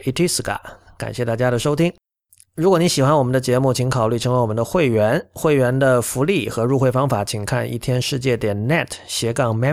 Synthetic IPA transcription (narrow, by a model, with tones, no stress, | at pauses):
i˥t̪ʰi˥sɹ̩˨˩kʰa̰˨˩˦ka̰˨˩nɕjɛ˥˧t̪a˥˩t͡ɕja˥d̪ə˨ʂo˥ʊt̪ʰi˥ŋ | ɻu˧˥k̬wɔ˨˦ni˧˥ŋɕi˨˩xwa˥nwɔ˨˩mə˦nd̪ə˧t͡ɕjɛ˧˥mu˥˩t͡ɕʰi˧˥ŋkʰɑ˨˩ʊly˥˩ʈ͡ʂʰɤ˧˥ŋwe˧˥wɔ˨˩m˧˦nd̪ə˧xwe˥˩ɪɥɛ˧˥nxwe˥˩ɪɥɛ˧˥nd̪ə˧fu˧˥li˥˩xɤ˧˥ɻu˥˧xwe˥˩ɪfɑ˥ŋfa˧˩˥t͡ɕʰi˨˩ŋkʰa̰˥˧nʔḭ˥˩t̪ʰjɛ˥nʂɻ̩˥˧t͡ɕjɛ˥˩t̪jɛ˨˩nnɛ˥˩tʰɕjɛ˧˥kɑ˥˩ŋmɛ˥